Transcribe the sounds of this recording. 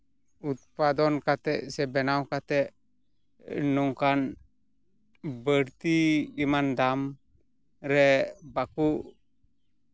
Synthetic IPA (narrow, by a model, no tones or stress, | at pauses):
ut̪̚pad̪ɔnkat̪ɛʔsɛbɛnawkat̪ɛʔ | nɔŋkan | bəɾt̪iːmand̪am | ɾɛbakuʔ